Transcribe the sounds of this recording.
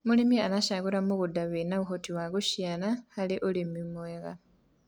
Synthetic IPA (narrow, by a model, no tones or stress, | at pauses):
mulimianaʃaɣuɾamuɣudaβinaβuxotiwaɣuʃjanahaliʔulimimweɣa̰